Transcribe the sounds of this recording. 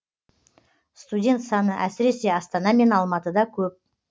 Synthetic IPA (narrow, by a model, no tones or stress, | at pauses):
st̪udʲe̞nt̪sɑnəʔæsɪɾe̞se̞ɑst̪ɑnɑme̞nɑlˠmɑt̪əd̪ɑkʲʰɵp̚